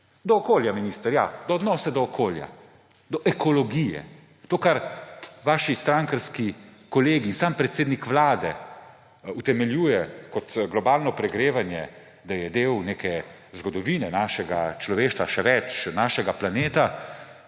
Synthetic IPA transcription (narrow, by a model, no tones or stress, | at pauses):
d̪ɔːkoːljaminist̪əɾjad̪ɔːd̪nɔːsɛd̪ɔːkʰoːlja̰ | d̪ɔʔɛkɔlɔɡijɛ̰ | t̪oːkaɾʋaːʃist̪ɾaŋkəɾskikɔleːɡiːnsaːmpɾɛt̪seːd̪nikʋlaːd̪ɛ̰ | ut̪ɛmɛljuːjɛkɔt̪ɡlɔbaːlnɔpɾɛɡɾeːʋanjɛ | d̪ajɛd̪eːwnekɛ | zɡɔd̪ɔʋiːnɛnaːʃɛɡa̰t͡ʃlɔʋeːʃt̪ʋaʃɛʋɛt͡ʃnaːʃɛɡaplaneːt̪a